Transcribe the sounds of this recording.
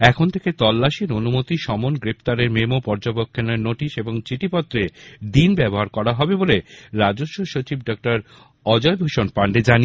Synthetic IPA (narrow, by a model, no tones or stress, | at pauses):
ɛkʰont̪ʰeket̪ɔlːaʃiɾonumot̪iʃɔmonɡɾept̪aɾeɾmemopɔɾd͡ʑobokʰːeneeɾnoʈiʃeboŋt͡ɕiʈipɔt̪ːɾed̪inbɛboɦaɾkɔɾaɦɔbeboleɾad͡ʑoʃːoʃot͡ɕibɖɔk̚ʈaɾ | ɔd͡ʑɔebʱoʃonpaɳɖed͡ʑani